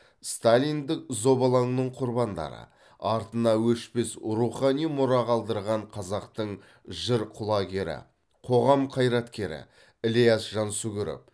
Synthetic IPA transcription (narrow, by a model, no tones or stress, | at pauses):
st̪alʲijnd̪ɪk̚zo̞bɑlˠɑɴnəɴqʰʊɾbɑnd̪ɑ̰ɾə̰ | ɑɾt̪ənɑwɵʃpe̞sɾuχɑnijmʊɾɑʁɑlˠd̪əɾʁɑɴqʰɑzɑqt̪əɴ | ʒɪɾqʰʊlˠɑɡʲe̞ɾɪ̰ | qʰo̞ʁɑmqʰɑjɾɑt̪kʲe̞ɾɪ̰ | ɪlijasʒ̥ɑnsʊɡʲɪɾɪ̰p̚